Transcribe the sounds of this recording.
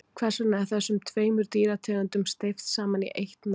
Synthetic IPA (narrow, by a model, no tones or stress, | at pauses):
kʰvɛ̥sanaɛɾ̥θɛsːʏmt̪ʰveːjmʏɾt̪iːɾat̪ʰɛːɣant̪ʏmst̪ejft̪saːmanḭʔejht̪na